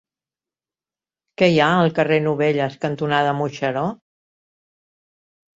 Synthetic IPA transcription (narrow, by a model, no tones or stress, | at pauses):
kɛjaəlˠkərenuβeʎəskənt̪unaðəmuʃəɾɔ